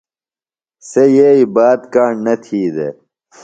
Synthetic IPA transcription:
sejeibaːd̪kaːɳnɐt̪ʰiːd̪e

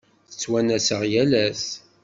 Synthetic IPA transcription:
θə̥t͡sːwænæsəʁjælæs

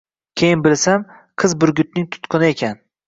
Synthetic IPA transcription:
kʲʰejɪnbɪlsam | qʰɨzbʊɾɡʲʊt̪̚nɪŋt̪ʰʊ̥t̪qʰɨnɪe̞kʲʰan

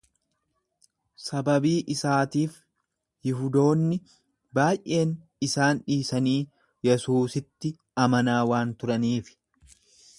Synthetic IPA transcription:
sɐbɐbiːʔɪsaːt̪iːf | hɪɦʊd̪o̞ːnːɪ | baːjʔe̞ːn | ɪsaːnᶑiːsɐniː | jɛsuːsɪt̪ːɪ | ɐmɐnaːwaːnt̪ʊɾɐniːfɪ̥

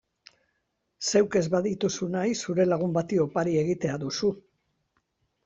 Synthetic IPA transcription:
se̞wke̞zβaðit̪usunajsuɾe̞laɣ̞umbat̪io̞paɾie̞ɣit̪e̞aðusu

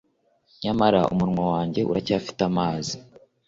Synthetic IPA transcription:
ɲamaɾaʔṵmuɾmwawaːɲɟe̞ʔṵɾacaːfi̥tamaːzi

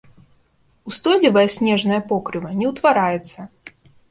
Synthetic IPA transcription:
ust̪ɔlʲivɐjɐsʲnʲɛʐnɐjɐpɔkɾɨvɐnʲɛwt̪vaɾajɛt̪sːɐ

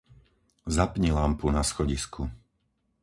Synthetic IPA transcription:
zapɲilampunasxɔɟiskʰu

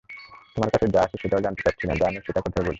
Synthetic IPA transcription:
t̪omaɾkat͡ɕʰed͡ʑaaʃʰeʃeʈaod͡ʑant̪epaʈt͡ɕʰina̰d͡ʑamiʃet̪akɔt̪ʰaebolʰi̥

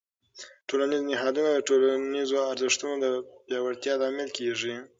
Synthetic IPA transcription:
ʈolanɪzonɪɦɑd̪unad̪əʈolanizoaɾzɪʂt̪unod̪əpjɑwaɽt̪jɑlɑmɪlkeʐi

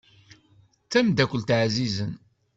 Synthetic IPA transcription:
t͡sːæmd̪ækʷːəlt̪ʕzizən

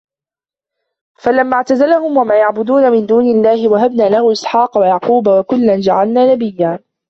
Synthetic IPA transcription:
falamːaːʕt̪azalahʊmwamaːjaʕbʊd̪uːnamɪnd̪uːnɪlːaːhɪwaɦabnaːlahʊːʔɪsħɑːqɑwajɑʕquːbawakʊlːand͡ʒaʕalnaːnabɪjːaː

